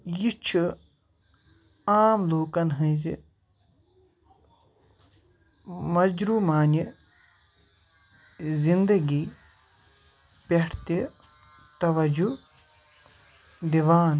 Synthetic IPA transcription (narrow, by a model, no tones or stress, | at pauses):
jit͡ʃʰi | aːmloːkɐnɦɐ̃zi | mɐd͡ʒɾumaːnji | zind̪ɐɡiː | peʈʰt̪e | t̪ɐʋɐd͡ʒu | d̪iʋaːn